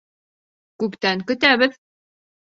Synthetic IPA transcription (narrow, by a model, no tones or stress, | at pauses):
kʉpt̪æŋkɵ̆t̪æβɘð